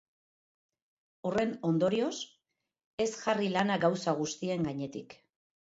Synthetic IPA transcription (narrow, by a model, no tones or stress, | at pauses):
ore̞no̞nd̪o̞ɾio̞s | e̞sʝarilanaɡawsaɣ̞ust̪ie̞ŋɡaɲe̞t̪ik